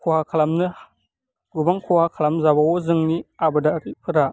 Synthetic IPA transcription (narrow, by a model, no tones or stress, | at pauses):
kuhakalamnə | ɡubaŋkuhakʰalamnzabawozəŋniabədakipʰəɾa